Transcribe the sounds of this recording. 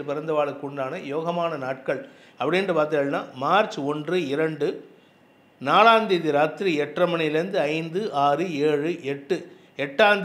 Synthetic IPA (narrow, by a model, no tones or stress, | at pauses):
lpɪɾɐnd̪ɐʋaːɭɯkːʊɳɖaːnɐjoːɣɐmaːnɐnaːʈ̚kɐɭ | ɐpːɐɽɪndrɯpaːɾt̪̬ɯŋɣɐɭna̰ːmaːɾt͡ʃɔndrɯɪɾɐɳɖɯ | naːlaːnd̪iðiɾaːt̪ːɪɾiɛʈrɐmɐɳɪjɪlɐɾɯnd̪ɯɐɪnd̪ɯʔaːɾɯeːɻɯʔɛʈːɯ | ɛʈːaːnd̪